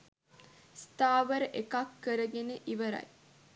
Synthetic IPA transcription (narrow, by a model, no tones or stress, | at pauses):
st̪aːʋəɾəʔekakːəɾəɡeneʔiʋəɾa̰j